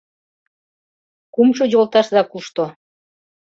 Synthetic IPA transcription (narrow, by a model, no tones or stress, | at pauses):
kumʃod͡ʑolt̪ɑʃzɑkuʃt̪o